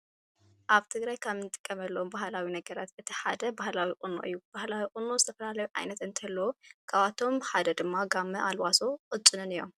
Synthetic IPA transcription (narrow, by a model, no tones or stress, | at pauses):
ʔaβt̪ʰɨɡɾajkʰamɨnt̪ʼɨ̥kʼːɐmɐlːɐombahlawinɐɡɐɾat̪ɨt̪ʰiħad̪ɐbahlawiqʼɨnːo̰ʔɨ̰jːub̥ahlawiqʼɨnozɨt̪ʰɐfɐlalɐjuʕa̰jnɐt̪ɨnt̪ʰɐlːɐwokʰaβat̪ʰo̞mħad̪ɐd̪ɨmːaɡamːɐʔalwasoqʼɨt͡ʃʼːɨnɨnɨjo̰m